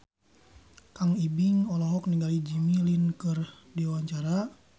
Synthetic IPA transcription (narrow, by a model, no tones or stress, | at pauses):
kaŋibiŋɔlɔɦɔk̚niŋɡalid͡ʒimilinkɨr | diwaɲt͡ʃaɾa